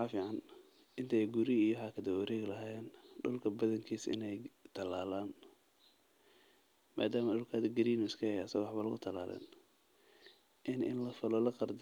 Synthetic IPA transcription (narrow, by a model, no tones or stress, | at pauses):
ħɑːfiːʕɑn | ʔɪnt̪ʰɐɛjɡʊɾɪijɔħɑkʰɐd̪ɐwɐɾɛːɣlɐɦaːjɛːnɖʊlkʰɐbɐðɐŋkʰiːsɪ̰nɛjt̪ʰɐlaːlaːn | ma̰ːd̪aːmɐɖʊlkʰɐðɐɡɐɾiːnʊskʰɐɛjɐsɐɣɔwɑħbɐlɐɣʊt̪ʰɐla̰ːlɛ̰ːn | ʔɪnʔɪ̰nlɐfɪlɔlɐqɑrd̪